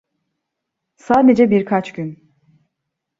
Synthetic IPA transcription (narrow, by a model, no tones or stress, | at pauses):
saːd̪ed͡ʒɛbiɾkʰat͡ʃɟyn